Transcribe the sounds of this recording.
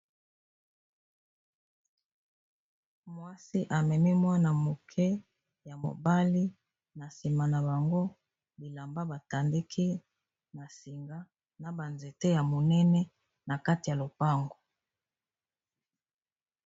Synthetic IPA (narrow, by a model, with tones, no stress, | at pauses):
mwa˦si˦ʔa˨mɛ˨mi˦mwa˦na˨mo˨kʰɛ˦ | ja˨mo̰˨ba˦li˦ | na˨si˨ma˨na˨ba˨ŋɡo˦ | bi˨la˨mba˦ba˨ta˨ndi˦kʰi˦ | na˨si˨ŋɡa˦ | na˨ba˨nze˨te˦ja˨mo˨nɛ˦nɛ˦ | na˨ka˦ti˨ja˨lo˨pa˦ŋɡo˨